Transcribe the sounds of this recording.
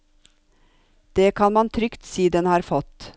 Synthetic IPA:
d̪̥eːkʰɑnmɑnt̪ʰɾʏkt̪siːd̪ɛnhɑːɾfɔt̪

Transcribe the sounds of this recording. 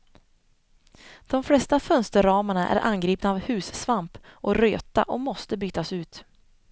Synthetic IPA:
d̪̥ɔmflɛst̪afœnst̪əɾɑːmaɳaʔæ̰ɾʔa̰nɡɾiːpnaːvhʉ̟ːssvampʔɔɾøːt̪a̰ʔɔmɔst̪əbyːt̪asʉ̟ːt̪

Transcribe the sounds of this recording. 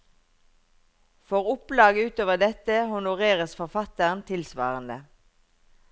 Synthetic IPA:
fɔʁʊplɑːɡəʉːt̪oːʋəʁd̪ɛt̪əhʊnʊʁeːʁəsfɔʁfɑt̪əʁnt̪ʰɪlsʋɑ̰ːʁənd̪ə

